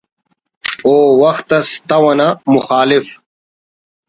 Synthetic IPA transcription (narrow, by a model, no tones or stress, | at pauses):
oːwɐxt̪ɐst̪ɐwɐnamʊxaːlif